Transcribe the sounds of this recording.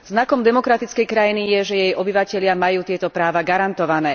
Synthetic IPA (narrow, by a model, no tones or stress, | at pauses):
znakɔmd̪ɛmɔkɾat̪it͡skɛjkɾajinijɛʒɛjɛjʔɔbiʋacɛʎɪamajuːt̪ɪɛt̪ɔpɾaːʋaɡaɾant̪ɔʋanɛː